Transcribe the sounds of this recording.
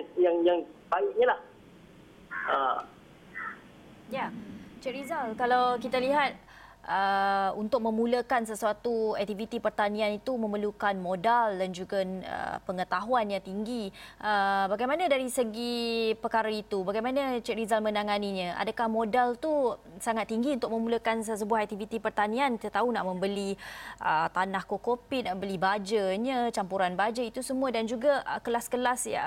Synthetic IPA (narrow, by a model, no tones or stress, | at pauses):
jaŋjaŋbaɪk̚ɲalah | ə | jat͡ʃɛʔɾizalkalawkit̪aliɦat̪̚ | ʔəunt̪ʊk̚mə̃mũləkansəsuat̪uɛk̚t̪ivit̪ipərt̪anĩanit̪umə̃məlukanmodaldand͡ʒuɡaə̰pəŋət̪aɦuanjaŋt̪iŋɡiʔəbaɡajmanadaɾisəɡipərkaɾait̪ubaɡajmanat͡ʃɛɾizalmənaŋaniɲə̃ʔa̰dəkahmodalt̪u | saŋat̪ːiŋɡiunt̪ʊk̚mə̃muləkanss̬əbuahɦak̚t̪ivit̪ipərt̪anĩanət̪aunaʔmə̃mbəliət̪anahkokopiʔ̪̚naʔbəlibad͡ʒəɲə̃t͡ʃampuɾanbad͡ʒəit̪usəmuədand͡ʒuɡaəkəlaskəlasja̰